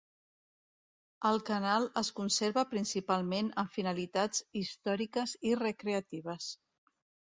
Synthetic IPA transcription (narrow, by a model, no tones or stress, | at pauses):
əlˠkənalˠəskunseɾβəpɾinsipalˠmenəɱfinəlit̪ad͡zist̪ɔɾikəzirəkɾeət̪iβ̞əs